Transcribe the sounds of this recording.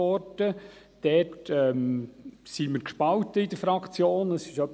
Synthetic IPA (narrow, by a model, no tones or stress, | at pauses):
ɔrdə | d̥ɛtɛmsiməɾkʃpɑwtəidəɾfɾɑkχt͡sjoːnəsɪʃœpː